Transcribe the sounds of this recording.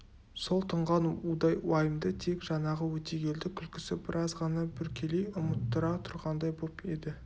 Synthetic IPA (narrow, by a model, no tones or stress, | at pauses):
so̞lˠt̪ʰəɴʁɑnud̪ɑjwɑjəmd̪ət̪ʰe̞kʒɑnɑʁəwɵt̪e̞ɡʲe̞ld̪ɪkʲʰʏlkʲɪ̥sɪbɪɾʔɑzʁɑnɑbʏɾkʲʰelejʊmət̪ːəɾɑt̪ʰʊɾʁɑnd̪ɑjbo̞pe̞d̪ɪ